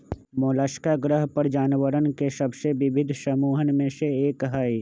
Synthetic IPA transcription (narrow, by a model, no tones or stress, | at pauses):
moːlaːʃkaɡɾəɦpəɾd͡ʒaːnʋəɾənkesɐbseʋɪbʱɪd̪ʱsɐmuːɦənmẽseeːkɦaːi